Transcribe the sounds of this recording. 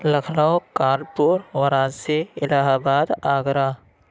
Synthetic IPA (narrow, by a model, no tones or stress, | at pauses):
lɐkʰlaokaːɾpuɾwəɾaːd͡ʒseɪlaːɦaːbaːd̪aːɡɾaː